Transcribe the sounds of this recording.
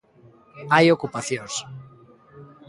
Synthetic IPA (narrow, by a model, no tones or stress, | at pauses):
ajokupaθjõŋs